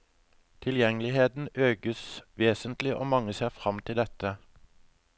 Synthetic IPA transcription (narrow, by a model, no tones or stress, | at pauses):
t̪ʰɪljɛŋəlɪheːd̪n̩øːɡəsʋeːsənt̪lɪʔo̰ːmɑŋəseːʁfʁɑmt̪ʰɪld̪ɛt̪ə